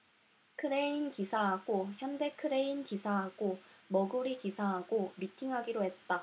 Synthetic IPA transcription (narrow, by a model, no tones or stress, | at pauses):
kʰɯɾe̞inkisʰaɦaɡoçjʌnde̞kʰɯɾe̞inkisʰaɦaɡomʌɡuɾikisʰaɦaɡomitʰiŋɦaɡiɾoɦe̞t̚t͈a